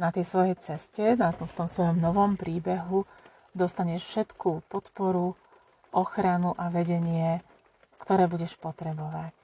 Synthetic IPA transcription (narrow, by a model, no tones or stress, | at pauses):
nat̪ɛjsʋɔjɛjt͡sɛscɛnat̪ɔft̪ɔmsʋɔjɔmnɔʋɔmpɾiːbɛɦu | d̪ɔst̪aɲɛʃfʃɛt̪kupɔt̪pɔɾu | ʔɔxɾanuʔaʋɛɟɛɲɪɛ | kt̪ɔɾɛːbuɟɛʃpɔt̪ɾɛbɔʋac